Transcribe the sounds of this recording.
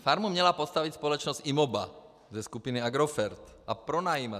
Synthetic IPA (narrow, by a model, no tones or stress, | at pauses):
faɾmumɲɛlapɔst̪aʋic̪spɔlɛt͡ʃnɔzt̪imɔba̰ | zɛskupiniaɡɾɔfɛɾt̪ʔapɾɔnajima